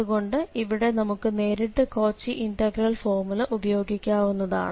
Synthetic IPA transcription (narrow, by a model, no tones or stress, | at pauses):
ðuɣo̞ɳɖɨiʋiɽe̞nɐmukːɨne̞ːɾiʈːɨko̞ːt͡ɕːiʔinʈɐɡrɐlfo̞ːrmulɐʔubɐjo̞ːɡikʲːaːʋunːɐða̰ːɳɨ